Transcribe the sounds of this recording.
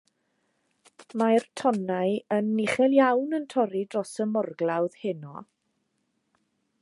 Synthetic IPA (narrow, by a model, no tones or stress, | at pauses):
majrtʰɔnajənːɪχɛlˠjawnəntʰɔɾidrɔsəmɔrɡlawð̥hɪnɔ̰